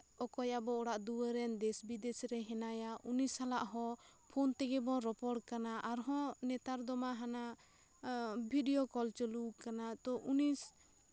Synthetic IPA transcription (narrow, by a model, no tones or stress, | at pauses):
ɔkɔjabɔɔɽaʔd̪uəɾɛnd̪ɛsbid̪ɛsɾɛɦɛnajaʔunisalaʔɦɔ̃ | pʰɔnt̪ɛɡɛbɔɾɔpɔɽkanaʔaɾɦɔ̃nɛt̪aɾd̪ɔmaɦana | bʱiɖijɔkɔlt͡ʃəlukanat̪ɔʔunis